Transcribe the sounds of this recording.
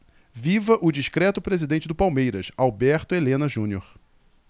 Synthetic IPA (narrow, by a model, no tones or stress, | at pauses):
vivɐʔʊd͡ʒiʃkɾɛt̪ʊpɾezid̪ẽnt͡ʃɪd̪ʊpawmejɾɐsawbɛɾt̪ʊelẽnɐʒũnioɾ